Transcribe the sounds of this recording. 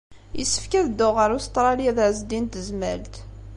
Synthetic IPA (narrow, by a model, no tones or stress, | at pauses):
jə̰sːə̥fkæðd̪ʊʁəɾust̪ˤɾˤɑliæðəʕzd̪int̪əzmæ̰lt̪